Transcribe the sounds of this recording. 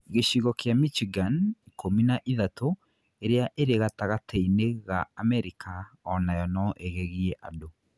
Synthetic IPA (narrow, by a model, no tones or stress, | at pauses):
ɣeɕiɣɔkjamit͡ʃiɡankʰominaʔiðato | eɾeaʔeɾeɣataɣateineɣaːmɛɾikʰa | ɔnajɔnɔʔeɣeɣiɛʔa̰do